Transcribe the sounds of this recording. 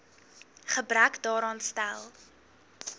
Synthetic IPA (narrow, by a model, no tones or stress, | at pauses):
χəbrækdɑːɾɑːnstælˠ